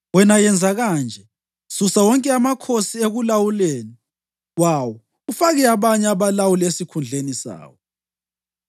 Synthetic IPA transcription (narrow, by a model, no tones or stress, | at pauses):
wɛnajɛnd͡zʱaɣand͡ʒʱɛ | susawɔŋkʼɛamakʰosieɣulawuleːni | wawɔ | ufaɣɛaβaɲɛaβalawulesikʰund͡ɮʱenisa̰ːwɔ